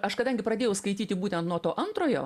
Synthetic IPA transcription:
ɐʃkɐd̪ɐŋʲɡʲɪpɾɐdʲeːjɛʊskɐɪt̪ʲiːt̪ʲɪbuːt̪ʲɛnt̪nuɔt̪oːʔɐnt̪ɾoːjo̰ː

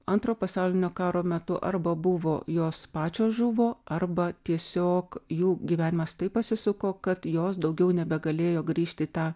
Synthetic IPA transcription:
ɐnt̪ɾoːpɐsɑʊlʲɪnʲoːkɑːɾoːmʲɛt̪ʊʔɐɾbɐbʊʋoːjoːspɑːt͡ʃʲoːsʒʊʋoːɐrbɐt̪ʲiɛsʲoːkjuːɡʲiʋʲæːnʲɪmɐst̪ɐɪpɐsʲɪsʊkoːkɐt̪joːsd̪ɐʊɡʲɛʊnʲɛbʲɛɡɐlʲeːjoːɡɾʲiːʃʲt̪ʲɪt̪ɑː

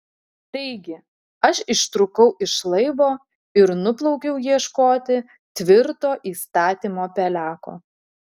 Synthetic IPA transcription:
t̪ɐɪɡʲɪ | ɐʃɪʃt̪ɾʊkɐʊʔɪʃlˠɐɪʋoː | ɪɾnʊplˠɐʊkʲɛʊjiɛʃkoːt̪ʲɪ | t̪ʲʋʲɪɾt̪oːʔiːst̪ɑːt̪ʲiːmoːpʲɛlʲæːko̰ː

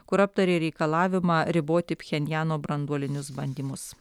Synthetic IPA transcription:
kʊɾɐp̚t̪ɐɾʲeːɾʲɛɪkɐlˠɑːʋʲɪmɑːɾʲɪboːt̪ʲɪpʲxʲɛnʲjæːnoːbɾɐnd̪uɔlʲɪnʲʊsbɐnʲd̪ʲimʊs

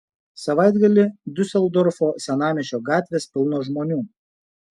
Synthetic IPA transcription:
sɐʋɑɪd̪ɡɐlʲɪd̪ʲʊsʲɛlˠd̪ɔɾfoːsʲɛnɑːmʲɛʃʲoːɡɑːt̪ʲʋʲeːspʲɪlˠnoːʒmoːnʲuː

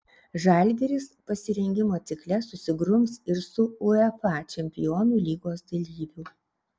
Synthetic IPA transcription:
ʒɐˑlʲɡʲɛɾʲɪspɐsʲɪɾʲɛŋʲɡʲɪmoːt̪sʲɪklʲɛsʊsʲɪɡɾʊmsɪɾsʊʊɛfɑˑt͡ʃʲɛmʲpʲɪjoːnʲuːˑlʲiːɡoːsd̪ɐlʲiːbʲuː

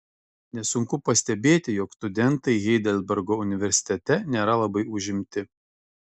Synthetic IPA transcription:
nʲɛsʊŋkʊpɐsʲt̪ʲɛbʲeːt̪ʲɪjɔkst̪ʊd̪ʲɛnˑt̪ɐɪɣʲɛɪd̪ʲɛlʲbʲɛɾɡoːʊnʲɪʋʲɛɾʲsʲɪ̥t̪ʲɛt̪ʲɛnʲeːɾɐlˠɐbɐɪʊʒʲɪmʲt̪ʲɪ

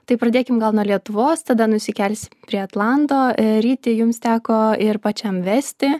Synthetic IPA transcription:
t̪ɐɪpɾɐd̪ʲeːkʲɪmɡɐlˠnuɔlʲiɛt̪ʊʋoːst̪ɐd̪ɐnʊsʲɪkʲɛlʲsʲɪmpʲɾʲiɛɐt̪lˠɑnt̪oːɾʲiːt̪ʲɪjʊmst̪ʲæːkoːɪrpɐt͡ʃʲɛmʋʲæsʲt̪ʲɪ

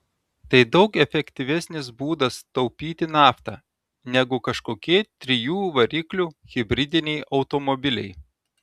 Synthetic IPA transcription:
t̪ɐɪd̪ɒʊkɛfʲɛkʲt̪ʲɪʋʲɛsʲnʲɪs̬buːd̪ɐst̪ɐʊpʲiːt̪ʲɪnɑːft̪ɑː | nʲɛɡʊkɐʃkoːkʲiɛt̪ʲɾʲɪjuːʋɐɾʲiːklʲuːɣʲɪbʲɾʲɪd̪ʲɪnʲɛɪʔɒʊt̪omɔbʲɪlʲɛ̰ɪ

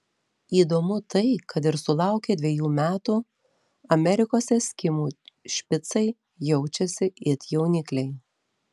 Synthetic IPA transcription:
iːd̪oːmʊt̪ɐɪkɐt̪ɪɾsʊlˠɑˑʊkʲeːd̪ʲʋʲiɛjuːmʲæːt̪uː | ɐmʲɛɾʲɪkoːsʲɛsʲkʲɪmuːʃʲpʲɪt̪sɐɪ | jɛʊt͡ʃʲɛsʲɪɪt̪ʲjɛʊnʲɪklʲɛɪ

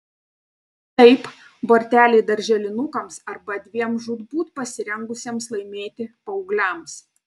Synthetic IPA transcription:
t̪ɐɪp | boːɾʲt̪ʲæːlʲeːd̪ɐɾʲʒʲɛlʲɪnʊkɐmsɐɾbɐd̪ʲʋʲiɛmʒʊd̪buːt̪pɐsʲɪɾʲɛŋɡʊsʲiɛmslˠɐɪmʲeːt̪ʲɪpɐʊɡlʲɛˑms

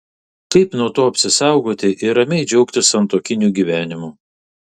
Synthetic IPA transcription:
kɐɪpnuɔt̪oːɐpʲsʲɪsɑˑʊɡoːt̪ʲɪʔɪɾɐmʲɛɪd͡ʒʲɛʊkt̪ʲɪsɐnt̪oːkʲɪnʲuːɡʲiːʋʲæːnʲɪmuː

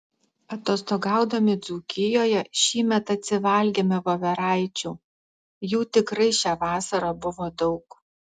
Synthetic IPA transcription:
ɐt̪oːst̪oɡɑˑʊd̪ɐmʲɪd̪zuːkʲɪjoːjɛʃʲiːmʲɛt̪ɐt̪ʲsʲɪʋɐlʲɡʲeːmʲɛʋoʋʲɛɾɑˑɪt͡ʃʲuː | juːt̪ʲɪkɾɐɪʃʲæːʋɑːsɐɾɑbʊʋoːd̪ɒʊk

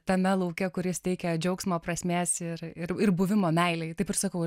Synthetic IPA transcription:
t̪ɐmʲɛlˠɐʊkʲɛkʊɾʲɪst̪ʲɛɪkʲɛd͡ʒʲɛʊksmoːprɐsʲmʲeːsɪɾɪɾɪrbʊʋʲɪmoːmʲɛɪlʲɛɪt̪ɐɪpɪrsɑkɐʊ

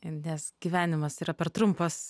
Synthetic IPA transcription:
ɪnʲɛsɡʲiʋʲæːnʲɪmɐsiːɾɐpʲɛɾt̪ɾʊmpoːs

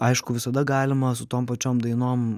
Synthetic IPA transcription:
ɐɪʃkʊʋʲɪsɐd̪ɐɡɑːlʲɪmɐsʊt̪oːmpɐt͡ʃʲoːmd̪ɐɪnoːm

